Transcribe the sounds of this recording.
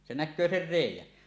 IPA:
se nækˑøː ser reˑijˑæn

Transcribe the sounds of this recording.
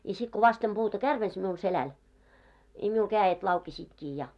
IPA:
jɑ sit ko ʋɑstem b̥uːtɑ kærʋens miul selæn i miul kæːjet lɑukesiːtkiː jɑ

